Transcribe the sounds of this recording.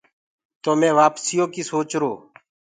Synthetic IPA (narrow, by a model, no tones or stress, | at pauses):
t̪oːmɛ̃ːʋaːpsijõːkiːsoːt͡ʃɾoː